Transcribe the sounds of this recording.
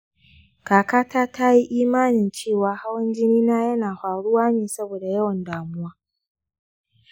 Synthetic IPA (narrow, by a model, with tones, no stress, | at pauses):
kaː˨kaː˦taː˦ta˦ji˦ʔiː˦maː˦nɪ˨nt͡ʃeː˦˨waː˨ha˦wɐ˦nd͡ʒɪ˦niː˦naː˦jɐ˦naː˨ɸaː˨ɽʊ˦waː˦neː˨sɐ˦boː˨da˨jɐ˦wɐ˨ndaː˨mʊ˦waː˦